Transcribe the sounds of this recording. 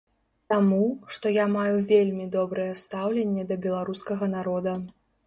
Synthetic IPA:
t̪amuʂt̪ɔjamajuvʲelʲmʲid̪ɔbɾɨjɛst̪awlʲenʲːɛd̪ɐbʲɛlˠaɾuskɐɣɐnaɾɔd̪ɐ

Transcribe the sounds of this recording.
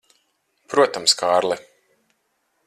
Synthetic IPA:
pɾuɔt̪amskaːɾlˠɛ

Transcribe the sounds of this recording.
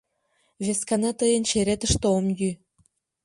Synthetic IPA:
βʲeskɑnɑt̪əjənt͡ɕeɾet̪ə̆ʃt̪omjy

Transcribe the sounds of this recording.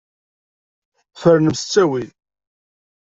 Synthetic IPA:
fəɾnəmsə̥t͡sːæwi

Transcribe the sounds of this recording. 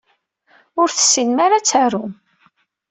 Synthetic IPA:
ʊɾθə̥sːinmaɾat͡sːaɾʊm

